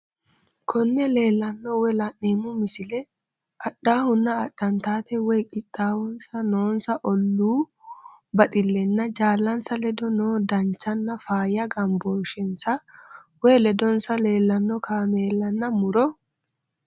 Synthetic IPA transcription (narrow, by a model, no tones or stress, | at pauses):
kʰɔnːɛle̞ːlːɐnːɔwɛlɐnːeːmʊmɪsɪlɛ | ɐɗːaːhʊnːɐːɗːɐnt̪aːt̪ɛwɛjkʼɪt̪ʼːaːhʊnsɐnoːnsɐʔɔlːuː | bɐt̪ʼɪlːɛnːɐd͡ʒaːlːɐnsɐlɛd̪ɔnoːd̪ɐnt͡ʃːɐnːɐfaːjɐɡɐmboːʃɛnsɐwɛlɛd̪ɔnsɐle̞ːlːɐnːɔkʰaːme̞ːlːɐnːɐmʊɾɔ